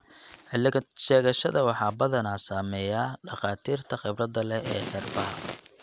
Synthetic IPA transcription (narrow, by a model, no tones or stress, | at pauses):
ʃɛːɣɐʃɐ̰ðɐwɑħɑːbɐðɐnasaːmɛːjaːɖɑχɑːt̪ʰiːrt̪ʰɐχɛbrɐd̪ɐlɛɛ̰ːħɛrbɐɦ